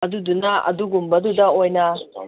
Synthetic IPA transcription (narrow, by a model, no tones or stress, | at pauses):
ɐdudunɐɐ̰duɡumbɐdudɐojnɐ